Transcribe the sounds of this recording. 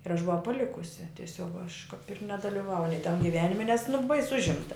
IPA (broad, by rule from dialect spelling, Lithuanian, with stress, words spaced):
ɪr ɐʃ bʊˈʋɐʊ pɐˈlʲɪkʊsʲɪ tʲiɛˈsʲoːk ɐʃ kɐp ɪr nʲɛdɐlʲiːˈʋɐʊj nʲɛɪ tɐm ɡʲɪˈʋʲæːnʲɪmʲɛ nʲɛs nʊ bɐɪs ˈʊʒʲɪmtɐ